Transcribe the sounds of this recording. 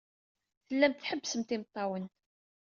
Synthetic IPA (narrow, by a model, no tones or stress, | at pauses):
θəlːæmt̪θħəbːsəmt̪ɪmt̪ˤːɑwən